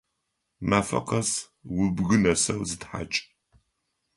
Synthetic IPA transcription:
maːfɐ̰qɐs | wʊbɣɨnɐsɐwzɨtħa̰t͡ʃʼ

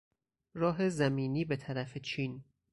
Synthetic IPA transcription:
ɾɒːɦe̞zæmiːniːbe̞t̪ʰæɾæfet͡ʃʰiːn

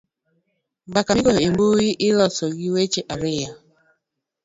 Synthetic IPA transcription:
ɡ͡bakaiɡoimbuɣiʔɪlɔsɔɣiwet͡ʃeʔaɾɪja

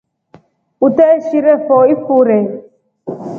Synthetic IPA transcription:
ut̪ɛʃiɾɛfɔifuɾɛ

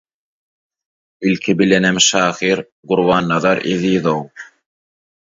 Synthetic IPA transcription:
ilkʰibilenemʃɑːhiːɾ | ɢuɾwɑːnːɑðɑɾʔeðiːðow

